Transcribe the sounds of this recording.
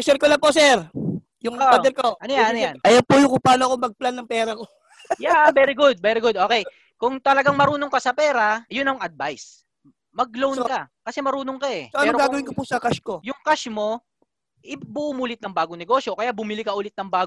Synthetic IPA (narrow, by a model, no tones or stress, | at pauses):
sɛɾkolɐŋposɛɾ | jʊŋod̪ɛɾkoʔɐnojaʔɐnojanʔɐjɐwpujʊŋkʊŋpaːnoɐkomɐɡ̚planːɐŋpɛːɾɐko | jabɛːɾɪɡʊd̪̚bɛːɾɪɡʊd̪̚ʔo̞ːkɛj | kʊŋt̪ɐlɐɡaŋmɐɾuːnoŋkɐsɐpɛːɾɐjʊnɐŋɐd̪̚bajs | mɐɡ̚lownkɐkɐsɛmɐɾuːnoŋkɐʔɛoɐɛoŋɾɡaːɡɐwɪnkopusɐkaʃkojʊŋkaʃmo̞ | ʔɪbuʔːmulɪt̪̚nɐŋbaːɡoŋnɛɡo̞sjo̞kɐjaʔbʊmɪlɪkɐʔʊːlɪt̪nɐŋbaːɡo